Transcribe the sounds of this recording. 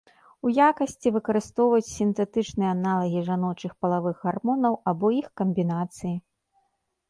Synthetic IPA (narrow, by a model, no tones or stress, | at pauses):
ujakɐsʲt͡sʲivɨkɐɾɨst̪ɔwvɐt͡sʲsʲint̪ɛt̪ɨt͡ʂnɨjɛanalˠɐɣʲiʐanɔt͡ʂɨxpɐlˠavɨɣːarmɔnɐwabɔixkɐmʲbʲinat̪sɨji